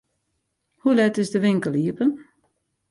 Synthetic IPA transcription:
hulɛtɪsdəʋɪŋkəlˠiəpən

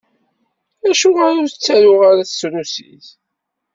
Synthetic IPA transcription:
æʃʊʁaɾʊɾt͡sːæɾʊʁaɾaθsɾusḭθ

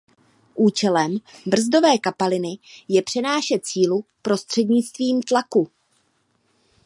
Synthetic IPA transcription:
ʔuːt͡ʃɛlɛmbr̩zdo̞vɛːkapalɪnɪjɛpr̝̥ɛnaːʃɛt̪̚t͡siːlupɾo̞st̪r̝̥ɛdɲɪt͡st̪viːmt̪laku

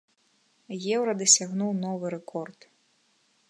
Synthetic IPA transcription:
jɛwɾɐd̪ɐsʲaɣnuwn̪ɔvɨɾɛkɔrt̪

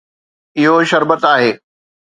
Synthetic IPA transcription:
ɪɦoʃɐɾbət̪aːɦeː

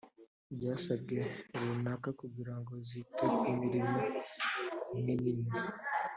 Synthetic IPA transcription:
bɟaːsab̚ɡe̞uɾunakakubɡiɾaŋɡo̞zitekumiɾimo | imŋeniːɲɡi

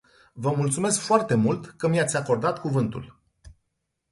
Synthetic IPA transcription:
vəmult̪sume̞skfoart̪e̞mult̪kəmjat̪sʲako̞rd̪at̪kuvɨnt̪ṵl

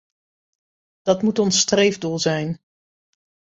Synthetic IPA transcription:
d̥ɑtmutɔnstrejvdulˠzɛjn

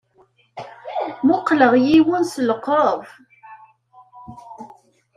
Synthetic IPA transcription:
mʊqləʁjiwʊnsəlqəv

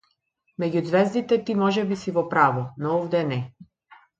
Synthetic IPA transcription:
mɛɟʲud̪zvɛzd̪it̪ɛt̪imɔʒɛbisivɔpɾavɔnɔuvd̪ɛnɛ

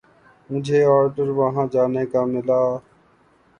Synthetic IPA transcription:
mʊd͡ʒʱeːɔːɾɖəɾʋəɦãːd͡ʒaːneːkaːmɪlaː

